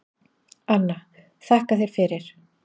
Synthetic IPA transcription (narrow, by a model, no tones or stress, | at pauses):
anːa | θahkaθejɾ̥fɪɾɪɾ̥